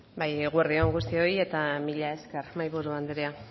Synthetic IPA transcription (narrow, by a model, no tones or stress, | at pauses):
bajɣwuerðioŋɡust̪io̞je̞t̪amiʎae̞skermajβuɾuand̪ɾea